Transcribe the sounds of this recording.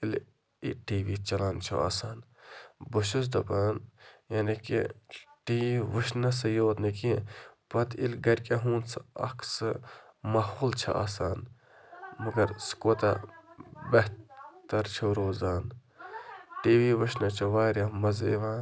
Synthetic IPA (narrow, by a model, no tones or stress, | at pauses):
il | iʈiːʋiːt͡ʃɐlaːnt͡ʃʰṵʔa̰ːsaːn | buʃus̬d̪ɐbaːnjaːnikḭʈiːʋiʋəʃnɐsɨjoːt̪nɐkipɐt̪ʰilɡɐɾʲkʲaɦũːnsɨɐ̰kʰsɨ | mahoːlt͡ʃʰɐ̰ʔa̰ːsaːn | mɐɡɐɾskoːt̪ɐ | bɐɦt̪ɐɾt͡ʃʰoɾoːzaːn | ʈiːʋiʋəʃnɐt͡ʃʰɐʋaːɾamɐzḛʋaːn